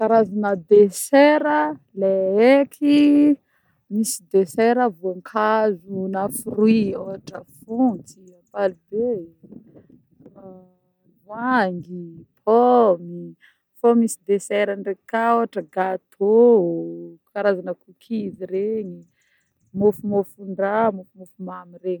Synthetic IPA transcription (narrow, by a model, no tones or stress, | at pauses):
kaɾazanəd̪esɛɾə | leekʰi | misid̪esɛɾəvoŋkʰazunafurwioɦaʈ͡ʂəfunt͡siapalibe | vwaŋɡipʰɔmi | fomisid̪esɛɾanɖ͡ʐekaoɦaʈ͡ʂəɡat̪ʰo | kaɾazanəkukʰiviɾeɲi | mofumofuɳɖ͡ʐamofumofumamireɲ